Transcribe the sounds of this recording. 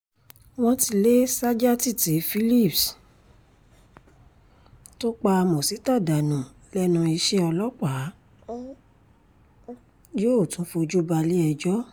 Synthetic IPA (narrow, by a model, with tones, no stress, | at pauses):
w̃ɔ̃˧ti˧le˦sa˦d͡ʒa˦ti˦˨te˨˦fi˦li˦˨ps | to˦k͡pa˧mõ˨si˨˦ta˦˨da˨nũ˨ | lɛ˦nũ˧i˧ʃe˦ɔ˧lɔ˦k͡pa˨˦ | d͡ʒo˦o˦˨tũ˨˦fo˧d͡ʒu˦ba˧li˦ɛ˧d͡ʒɔ˦